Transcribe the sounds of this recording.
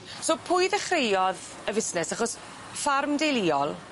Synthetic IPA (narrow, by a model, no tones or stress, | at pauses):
soːpʰʊjðɛχrejɔð | əvɪsnɛsaχɔs | farmdejlˠiɔlˠ